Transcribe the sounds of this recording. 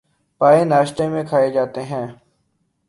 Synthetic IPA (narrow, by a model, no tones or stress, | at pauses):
paːenaːʃt̪emẽkʰaːed͡ʒaːt̪eɦɛ̃ː